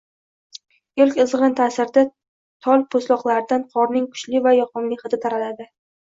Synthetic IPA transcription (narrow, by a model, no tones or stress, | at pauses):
elkʲɨzʁɨnt̪ʰasɪɾd̪a | t̪ʰɒlˠpʰoslɒqlˠaɾɪd̪anqʰɒɾnɪŋkʰʊ̥t͡ʃlɪvajɒqɒnlɪχɨt̪ɪt̪ʰaɾalad̪ɪ